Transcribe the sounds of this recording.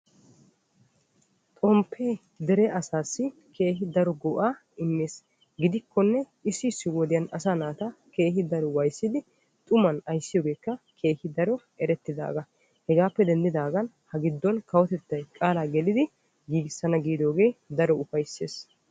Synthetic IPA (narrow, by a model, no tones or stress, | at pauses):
t̪ʼɔmpʰːeː | d̪ɛɾɛʔɐsaːsːɪkʰe̞ːhɪd̪ɐɾɔɡɔʔaː | ɪnːeːs | ɡɪd̪ɪkːɔnːɛ | ɪsːɪsːɪwɔd̪ɪjɐnɐsaːnaːt̪ake̞ːhɪd̪ɐɾɔwɐjsːɪd̪ɪ | t̪ʼʊmɐnɐjsːɪjoːɡe̞ːkːɐkʰe̞ːhɪd̪ɐɾɔʔɛɾɛt̪ːɪd̪a̰ːɡɐ | hɛɡaːpːɛd̪ɛnd̪ɪd̪aːɡɐn | hɐɡɪd̪ːɔnkɐwɔt̪ɛt̪ːɐjkʼaːlaːɡɛlɪd̪ɪ | ɡiːɡɪsːɐnɐɡiːd̪o̞ːɡe̞ːd̪ɐɾɔʊfɐjsːeːs